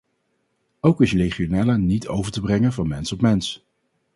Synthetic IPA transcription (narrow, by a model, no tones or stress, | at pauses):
owkɪsreχionaːlənitʰo̰wvəɹtəbrɛŋənvɑnmɛnsɔpmɛns